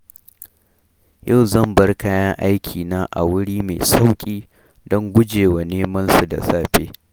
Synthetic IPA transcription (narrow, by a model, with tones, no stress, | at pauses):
ja˦˨wzɐ˦˨mbɐ˦rkaː˦jɐ˦ŋʔa˦jkʲʰiː˨naː˦ʔa̰˨wʊ˦ɽiː˦mḛ˨sa˦wkʲʼiː˦ | dɔ˦ŋɡʷʊ˦d͡ʒeː˨wa˨neː˦mɐ˦nsu˨da̰˨saː˦ɸeː˦